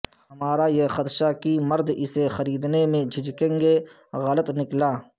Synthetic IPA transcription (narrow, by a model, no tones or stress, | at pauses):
hɐmaːɾajexət̪ʃakimɐɾd̪ɪsexɐɾiːd̪nemẽd͡ʒʱɪd͡ʒkẽːŋɡe | ɣɐlət̪nɪklaː